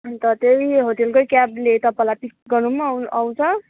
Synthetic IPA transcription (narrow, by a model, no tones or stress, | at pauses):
t̪ʌt̪ejɦot̪elkojkjablet̪ʌpãlajpik̚ɡʌrnumʌaw̃t͡sʰʌ